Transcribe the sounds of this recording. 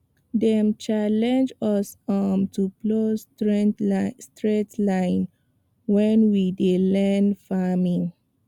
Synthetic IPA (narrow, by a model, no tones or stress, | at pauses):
dɛ̃mt͡ʃalɛ̃nd͡ʒɔsɔmtʰuplos | stɹetlãɪ̃n | wɛ̃nwidelɛnfamĩŋ